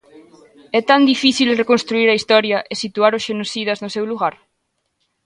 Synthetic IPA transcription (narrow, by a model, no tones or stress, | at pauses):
ɛt̪and̪ifiθilrekõnst̪ɾuiɾɐist̪ɔɾjɐʔesit̪uaɾʊsʃenosiðɐznʊsɛwluɣaɾ